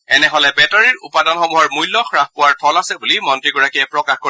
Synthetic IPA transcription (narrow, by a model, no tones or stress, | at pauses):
ɛnɛɦɔlɛbɛtaɹiɹṵpadanxɔmuɦɔɹmujlːɔxɹaxpʊwaɹtʰɔlasɛbulimɔntɹiɡɔɹakiɛpɹɔkaxko